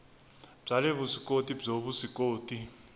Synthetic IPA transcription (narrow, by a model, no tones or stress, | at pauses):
b͡ʐʱalɛβusikʼotʼib͡ʐoɓusikʼoːtʼi